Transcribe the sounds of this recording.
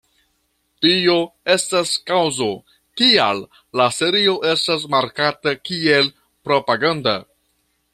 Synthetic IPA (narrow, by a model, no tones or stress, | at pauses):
tio̞e̞staskawzo | kialː | ase̞ɾio̞ʔe̞stas̬maɾkatakie̞l | pɾo̞paɡanda̰